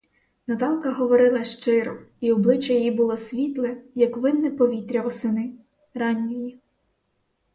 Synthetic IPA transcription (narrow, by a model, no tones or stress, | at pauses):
nɐt̪ɑnkɐɦɔʋɔɾɪlˠɐʃt͡ʃɪɾɔiɔblˠɪt͡ʃɐjɔjibʊlˠɔsʲʋʲit̪lˠɛjɐkʋɪnːɛpɔʋʲit̪ɾʲɐʋɔsɪnɪ | ɾɑnʲːiji